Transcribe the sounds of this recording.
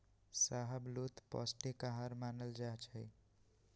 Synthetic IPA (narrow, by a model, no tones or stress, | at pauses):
saːɦəbloːt̪pɔ̰ːsʈekaɦaːɾmaːnəld͡ʒaːt͡ʃʰəi